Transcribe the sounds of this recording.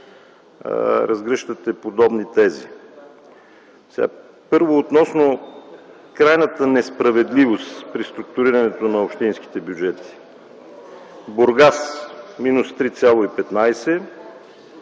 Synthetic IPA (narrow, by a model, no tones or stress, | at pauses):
ɾɐzɡɾɛʃt̪ət̪ɛpod̪ɔbnit̪ɛzi | sɛɡa̰ | pɤɾvoːt̪nɔsno | kɾajnət̪ənɛspɾɐvɛd̪livost̪pɾist̪ɾuk̚t̪uɾiɾɐnɛt̪onɐopʃt̪insk̟i̥t̪ɛbjud͡ʒɛt̪i̥ | boɾɡasminust̪ɾit̪sʲjalˠoipɛt̪najsɛ